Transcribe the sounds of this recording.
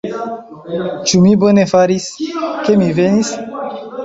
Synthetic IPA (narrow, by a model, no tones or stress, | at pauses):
t͡ʃumibo̞ne̞faɾiske̞mive̞nis